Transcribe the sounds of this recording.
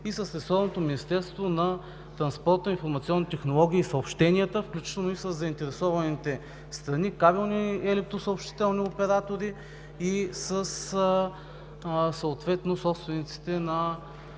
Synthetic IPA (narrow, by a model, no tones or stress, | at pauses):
isəsɾɛsɔvnot̪ominist̪ɛɾst̪vonɐ | t̪ɾɐnspɔɾt̪əinfoɾmɐt̪siɔnːit̪ɛxnolˠɔɡ̟ʲiːsɐopʃt̪ɛniət̪əfklʲut͡ʃi̥t̪ɛlˠnoisəzːɐint̪ɛɾɛsɔvɐnit̪ɛ | st̪ɾɐnikabilˠniɛlɛk̚t̪ɾosəopʃt̪i̥t̪ɛlˠniopɛɾat̪oɾi | isəs | səːt̪vɛt̪nosɔpst̪vɛnit̪si̥t̪ɛnɐ